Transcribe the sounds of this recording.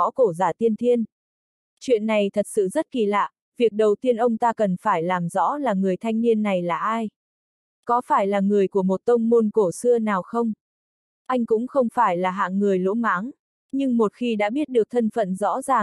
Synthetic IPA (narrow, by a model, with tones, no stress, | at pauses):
ɔ̰˧˥ko˧˩zaː˧˨˩t̪i˧ənt̪ʰi˧ən | t͡ɕwḭ˧˨ənːa˨˩jt̪ʰə˨˩t̚sɨ̰˧˨zə˦˥t̚ki˨˩la̰ː˧˨ | vi˨˩ək̚ɗə˨˩wt̪i˧ənʔə˧wŋ͡mt̪aː˧kə˨˩nfaː˧˩jlaː˨˩mzɔ̰˧˥laː˨˩ŋɨ˨˩əjt̪ʰa˧jŋ̟ni˧ənːa˨˩jlaː˨˩ʔaː˧j | kɔ˨˦faː˧˩jlaː˨˩ŋɨ˨˩əjku˧˩əmo˨˩t̚t̪ə˧wŋ͡mmo˧nko˧˩sɨ˧ənaː˨˩wxə˧wŋ͡m | ʔa˧jŋ̟kʊ̰˧˥ŋ͡mxə˧wŋ͡mfaː˧˩jlaː˨˩ɦa̰ː˧˨ŋŋɨ˨˩əjlo̰˧˥maː˨˦ŋ | ɲɨ˧ŋmo˨˩t̚xi˧ɗa̰ː˧˥ɓi˦˥ət̚ɗɨ˨˩ək̚t̪ʰə˧nfə̰˧˨nzɔ̰˧˥zaː˨˩